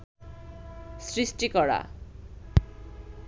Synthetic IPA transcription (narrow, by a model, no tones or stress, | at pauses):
sɾisʈikɔɽa̰